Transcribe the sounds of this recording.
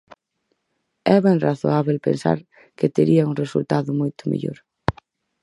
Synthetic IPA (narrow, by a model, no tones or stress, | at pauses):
ɛβɛŋraθo̰aβelpḛnsa̰ɾ | ket̪eɾiɐuŋresult̪aðʊmojt̪ʊmḛʎo̰ɾ